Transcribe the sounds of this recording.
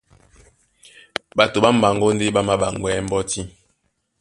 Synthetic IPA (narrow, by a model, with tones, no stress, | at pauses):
ɓa˨to˨ɓa˦ma˨ŋ˨ɡo˦nde˦ɓa˦ma˦ɓa˨ŋ˨ɡwɛ˦m˦bɔ˦ti˦